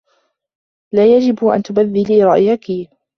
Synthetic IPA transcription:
laːjad͡ʒɪbʔa̰nt̪ʊbaðːɪliːɾˤɑʔjaki

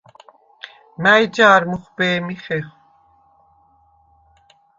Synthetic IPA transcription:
mæjd͡ʒaːɾmuχbɛːmiχɛχ

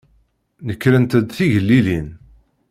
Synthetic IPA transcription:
nəkːɾənt̪əd̪θiʝəlːilin

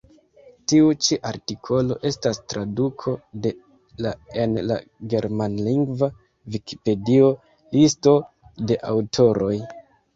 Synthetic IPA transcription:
tiut͡ʃiʔaɾtikʰo̞lo̞ʔe̞stastɾadukʰo̞de̞ | laenla̰ɡe̞ɾmanliŋɡva | viki̥pe̞dio̞ | listo̞ | de̞ʔa̰wtʰo̞ɾo̞j

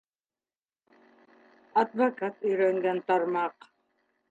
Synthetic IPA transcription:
ɐd̪vakat̪ɵjɾøŋɡænt̪ɑɾmɑq

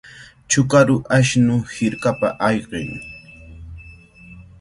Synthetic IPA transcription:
t͡ʃʊkaɾʊʔaʃnʊhɪɾkapa̰ʔɑjɢɪ̰ŋ

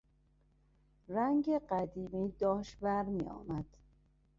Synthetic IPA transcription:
ræŋɟeɢæd̪iːmiːd̪ɒːʃtbæɾmiːɒ̰ːmæd̪̥

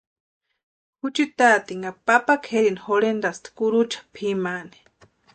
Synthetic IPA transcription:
hut͡ʃit̪at̪iŋapapakʰeɾinixolend̪ast̪ʰkuɾut͡ʃḁpʰimani̥

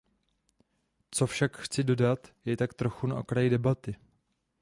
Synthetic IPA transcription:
t͡so̞fʃakxt͡sɪdo̞dat̪jɛt̪akt̪ɾo̞xuna̰ʔokɾajɪdɛbat̪ɪ

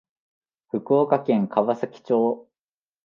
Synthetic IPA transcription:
ɸɯ̟kɯ̟okakẽ̞ŋkʰaβasakʲi̥t͡ɕoː

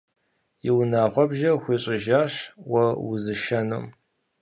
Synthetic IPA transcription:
jɪwnaːʁʷɔbʒɐxʷiːɕʼɪʒaːɕwɐwʊ̰zɨʃɐnɨ̰m

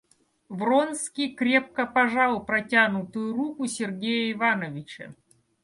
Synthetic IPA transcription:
vronskʲijkɾʲep̚kəpɐʐalˠpɾɐtʲanʊt̪ʊjʊrukʊsʲɪrɡʲejəɪvanəvʲɪt͡ɕə̰

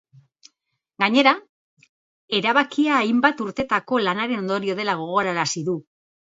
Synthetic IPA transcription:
ɡaɲe̞ɾa | e̞ɾaβakiaːjmbat̪uɾt̪e̞t̪ako̞lanaɾe̞no̞nd̪o̞ɾio̞ð̞e̞laɣ̞o̞ɣ̞o̞ɾaɾasiðu

